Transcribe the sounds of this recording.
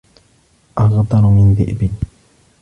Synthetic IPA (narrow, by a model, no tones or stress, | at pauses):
ʔɑɣd̪ˤɑɾmɪnðɪ̰ʔbɪ